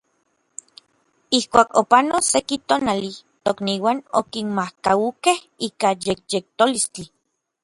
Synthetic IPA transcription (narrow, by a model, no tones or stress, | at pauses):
ihkʷaːkopanosekit̪oːnalit̪okniːwaːno̰kinmahkaukeh | iːkajek̚jek̚t̪olist͡ɬi